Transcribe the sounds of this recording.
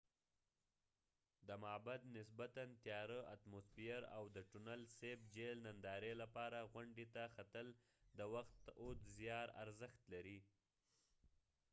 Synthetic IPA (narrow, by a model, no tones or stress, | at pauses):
d̪əmɑbad̪nɪsbat̪ant̪jɑɾəʔat̪mospijaɾa̰wd̪əʈʊnalsebd͡ʒelnand̪ɑɾelapɑɾaɣwaɳɖet̪axat̪əl | d̪əwaxt̪ot̪zjɑɾa̰ɾzəxt̪laɾi